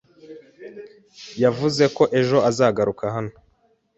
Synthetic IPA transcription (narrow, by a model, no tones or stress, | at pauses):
javuze̞ko̞ʔe̞ʒo̞azaːɡaɾukaɦano